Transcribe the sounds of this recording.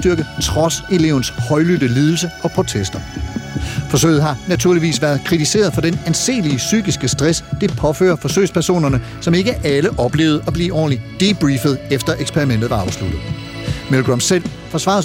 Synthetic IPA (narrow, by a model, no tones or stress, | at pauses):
d̥yɐɡ̥ət͡sʰʁɒ̽se̝le̝ʊn̩shɒ̽ɪlyd̥əliːð̞ˠl̩səɒ̽pʰʁo̝t͡sʰesd̥ɐ | fɒ̽sø̰ɪð̩ˠɦɑ̈næt͡sʰuɐ̰liʋḭːsʋæɐðˠkʰʁit͡sʰise̝̰ːɐð̞̩ˠfɒ̽d̥enænse̝̰ːliəsy̰ːɡ̥isɡ̥əsd̥ʁɛsd̥e̝pʰɒ̽fø̰ːɐfɒ̽sø̰ɪspʰæɐso̝̰ːnɐnə | sɒ̽me̝ɡ̥əʔæləʔɒ̽b̥le̝̰ːʊð̩ˠɒ̽b̥lḭːɒ̰ːnlid̥ib̥ʁifəðˠefd̥ɐʔeɡ̥spʰeʁimen̰d̥ð̩ˠʋɑ̈ɑ̈ʊslud̥ð̩ˠ | melɡ̥ʁɒmsel̰ | fɒ̽sʋɑ̰̈ːð̩ˠ